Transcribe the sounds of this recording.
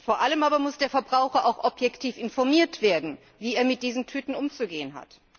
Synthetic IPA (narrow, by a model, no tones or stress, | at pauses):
foːɐʔaləmʔaːbɐmʊsd̥eːɐfɛɐbʁaʊxɐʔaʊxʔɔpjɛktʰiːfɪnfɔɐmiːɐtv̥eːɐdn̩ | viːeːɐmɪt̚d̥iːzn̩tʰyːtn̩ʔʊmt͡suɡeːənɦa̰t